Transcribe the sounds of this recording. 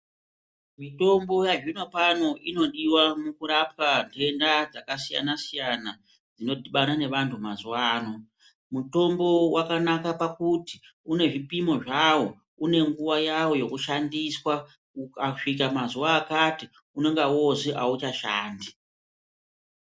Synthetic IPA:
mito̞mbo̞jaʐino̞pano̞ʔino̞ɗiwamukuɾap̚kantʰe̞ndad͡zakasija̰nasijana | d͡zino̞dʱiɓanane̞ʋantʰumazuwaːno̞ | muto̞mbo̞wakanakapakuti | une̞ʐipimo̞ʐawo̞ | une̞ŋɡuʋajawo̞jo̞kuʃandiswa | ukaʂik̬amazuwaːkati | une̞ŋɡawoseʔaut͡ʃaʃa̰ːndi

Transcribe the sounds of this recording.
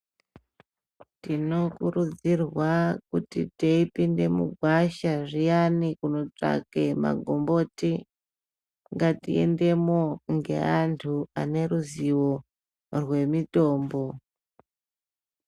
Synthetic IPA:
tino̞kuɾud͡zirwakutiteipinde̞mṵɡʱwaʃaʐijanikuno̞t͡ʂa̰kema̰ɡʱo̞mbo̞ti | ŋɡatḭḛnde̞moŋɡe̞̰antʰuane̞ɾuziwo̞ | rwe̞mito̞ːmbo̞

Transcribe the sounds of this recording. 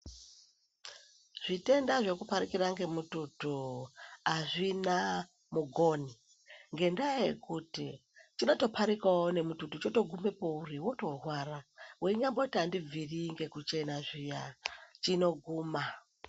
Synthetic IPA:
ʐ̥ite̞ndaʐe̞kupaɾikiɾaŋɡe̞mututu | aʐina | muɡʱo̞ni | ŋɡe̞ndajajekuti | t͡ʃino̞to̞pʰaɾikaone̞mututut͡ʃo̞to̞ɡʱume̞po̞uriwo̞to̞rwaːraweiɲambo̞tandiviriŋɡe̞kut͡ʃe̞naʐijat͡ʃino̞ɡʱuːma

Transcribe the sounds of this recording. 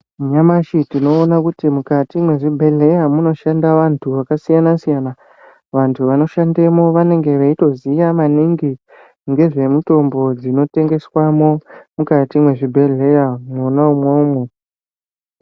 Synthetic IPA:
ɲamaʃitino̞ːnakutimukatimwe̞ʐibʱe̞ɮe̞jamuno̞ʃandaʋantʰuʋakasijanasijana | ʋantʰuʋano̞ʃande̞mo̞ʋane̞ŋɡe̞ʋaito̞zijamaniŋɡi | ŋɡe̞ʐe̞muto̞mbo̞d͡zino̞te̞ŋɡe̞swamo̞mukatimwe̞ʐibʱe̞ɮe̞jamuno̞naumwaume

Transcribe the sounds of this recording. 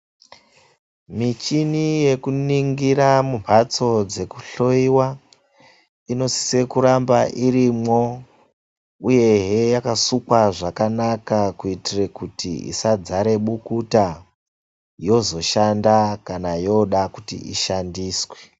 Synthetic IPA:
mit͡ʃinije̞kuniŋɡiɾamumat͡so̞d͡ze̞ku̥ɬo̞iwa | ino̞si̥se̞kuɾambaʔirimŋo̞ | uje̞ɦe̞jakasukwaʐakanakakuitirekutḭḭsad͡zaɾe̞ɓukuta | jo̞zo̞ʃandakanajo̞ɗakutḭḭʃandiːswe̥

